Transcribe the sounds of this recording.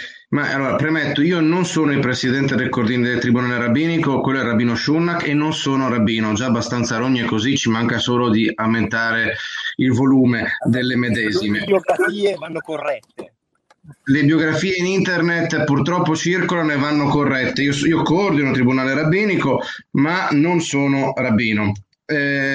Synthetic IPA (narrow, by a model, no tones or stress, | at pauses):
maʔa̰lːoːɾapɾemet̪ːoiːononsoːnoipɾesid̪ɛnt̪ed̪elkord̪iːnid̪elt̪ɾibunaːleɾabːiːnikokwelːoɛrabiːnoʃunːakenːonsoːnoɾabiːnod͡ʒaːbːast̪ant̪saɾoɲːoekozit͡ʃimaŋkasoːlod̪iawment̪aːɾeilvoluːmed̪elːemed̪ɛːzimeboɡɾafiːevanːokorɛt̪ːe | lebjoɡɾafiːeinint̪ernet̪ːpurt̪ɾɔpːot͡ʃirkolanoevːanːokorːɛt̪ːeiosiokord̪inot̪ɾibunaːleɾabːiːnikomanonsoːnorabːiːno